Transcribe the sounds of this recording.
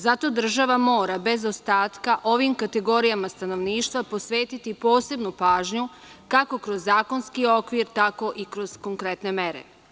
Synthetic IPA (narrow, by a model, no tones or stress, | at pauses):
zat̪o̞d̪r̩ʒaʋamo̞ːɾabe̞zo̞st̪aːt̪kaʔo̞ʋimkat̪e̞ɡo̞ɾijamast̪ano̞ʋniːʃt̪ʋapo̞sʋeːt̪it̪ipo̞ːse̞bnupaːʒɲu | kako̞kɾo̞zːaːko̞nskio̞kʋiɾt̪ako̞ʔikɾo̞z̥ko̞ŋkɾe̞t̪ne̞me̞ɾḛ